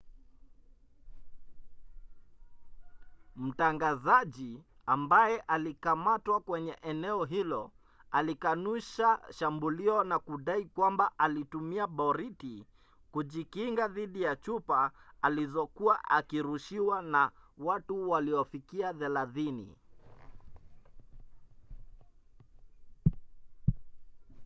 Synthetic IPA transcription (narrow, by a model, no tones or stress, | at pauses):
m̩taŋɡazaʄi | ambajɛʔalikamatwakwɛɲɛʔɛnɛɔɦilɔ | alikanuʃaʃambuliɔnakuɗaikwambaʔalitumiaɓɔɾiti | kuʄikiŋɡaðiɗijat͡ʃupaalizɔkuaʔa̰kiɾuʃiwanawatuwaliɔfikiaðɛlaθinḭ